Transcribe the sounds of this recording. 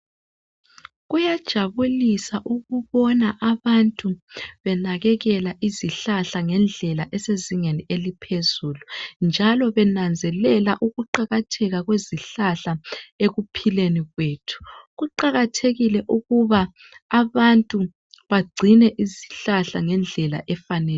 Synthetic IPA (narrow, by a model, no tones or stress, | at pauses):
ɣujad̥ʒ̥ʱaβulisaʔuɣuβɔnaʔaβantʼuβɛnaɣɛɣɛlaʔiziɬaɬaŋɛnd͡ɮʱɛlaʔɛseziŋenielipʰezuːlund͡ʒʱalɔβɛnand͡zʱɛlɛlaʔuɣuǃaɣatʰɛɣaɣweziɬaɬaeɣupʰileniɣweːtʰu̥ɣuǃaɣatʰeɣilɛʔuɣuβa | aβantʼu | βaɡ͡ǀʱinɛʔiziɬaɬaŋɛnd͡ɮʱɛla̰ʔɛfanɛː